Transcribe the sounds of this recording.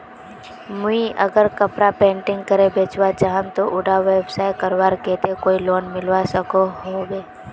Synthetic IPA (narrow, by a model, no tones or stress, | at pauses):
mʊiʔə̰ɡəɾkəpɾapẽːɳʈɪ̃ŋɡ̚kəɾebeːt͡ʃwat͡ʃaːɦənt̪oʔʊɖaʋeːbsaɪkəɾwaːɾkeːt̪ekoːiloːnmɪlʋasəkoɦobeː